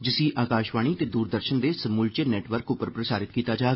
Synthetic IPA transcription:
d͡ʒɪsĩːʔaːkaːʃʋaːɽ̃iːt̪eːd̪uːɾd̪əɾʃənd̪eːsəmuːlt͡ʃənɛːʈʋəɾkʊpːəɾpɾəsaːɾɪt̪kiːt̪aːd͡ʒaː

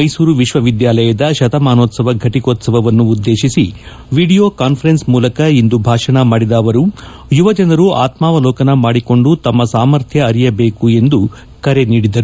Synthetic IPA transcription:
mɐjsuːɾuʋiʃʋɐʋid̪jaːlɐjɐd̪ɐʃɐt̪ɐmaːnoːt̪sɐʋɐɡʱɐʈikoːt̪sɐʋɐʋɐnːuːd̪ːe̞ːʃisi | ʋiːɽijo̞ːkaːnpʰɐɾensmuːlɐkɐind̪ubʱaːʂɐɳɐmaːɽid̪aːʋɐɾu | juʋɐd͡ʒɐnɐɾuaːt̪maːʋɐlɔːkɐnɐmaːɽiko̞ɳɖut̪ɐmːɐsaːmɐɾt̪ʰjɐːɾijɐbe̞ːkue̞nd̪u | kɐɾeniːɽid̪ɐɾu

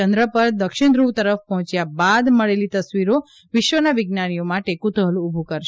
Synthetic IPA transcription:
ənd̪ɾəpəɾd̪əkʃɪɳd̪ɾuʋt̪əɾəfpɔɦɔ̃t͡ʃjabad̪məɭelit̪əsʋiɾo | ʋɪʃʋənaʋɪɡnanijomaʈekut̪ɦəluːbʱukəɾʃ

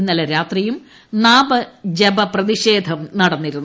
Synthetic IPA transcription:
nːɐlɐɾaːt̪rijum | naːbɐd͡ʑebɐprɐðiʂe̞ːd̪ʱɐmnɐɽɐnːiɾunː

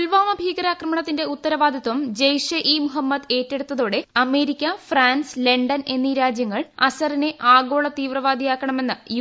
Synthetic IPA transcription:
lʋaːmɐbʱiːɡɐɾaːkrɐmɐɳɐt̪ːinde̞ut̪ːɐɾɐʋaːd̪ʱjɐt̪ːʋɐmd͡ʑejʂɐʔiːmuɦɐmːɐd̪e̞ːtːeɽut̪ːɐðoːɽe̞ɐme̞ːɾikʲːɐfraːnsle̞ɳɖɐne̞nːiɾaːd͡ʑjɐŋːɐɭɐsɐrineʔaːɡo̞ːɭɐt̪iːʋrɐʋaːd̪ʱijaːkːɐɳɐme̞nːɨj

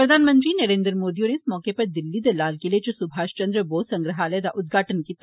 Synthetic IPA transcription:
pɾɐd̪ʱaːnmə̃nt̪ɾinɐɾẽːnd̪ɾəmoːd̪ijõneɪsmɔːkepɐɾd̪ɪlːid̪ɐlaːlkelet͡ʃosʊbʱaːʃt͡ʃɐ̃nd̪ɾəboːsɐ̃ŋɡɾəɦaːled̪aʔʊd̪ɡʱaːʈənkiːt̪

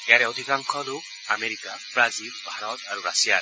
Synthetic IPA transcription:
ejaɾɛwd̪ʱikaŋkʰɔlok̚ | ameɹikab̥ɹazilbʱaɹɔt̪aɹuɹasija

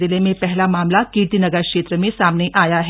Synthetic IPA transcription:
ɪlemẽpɛɦlamaːmlakiːt̪inɐɡəɾkʃeːt̪ɾəmẽsaːmneʔaːjaɦɛ

